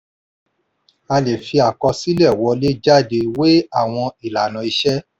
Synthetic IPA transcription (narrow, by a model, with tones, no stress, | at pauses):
a˧le˨fi˧a˨kɔ˧si˦lɛ˦˨wɔ˧˦le˦d͡ʒa˦˨de˧we˦a˦˨w̃ɔ̃˧i˨la˨nã˨˦i˧ʃɛ˦